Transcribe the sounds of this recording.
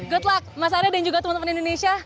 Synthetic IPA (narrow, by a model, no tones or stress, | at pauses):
ɡɔt̪lak̚mas̬aanadand͡ʒuɡat̪umũnt̪əmanindonesia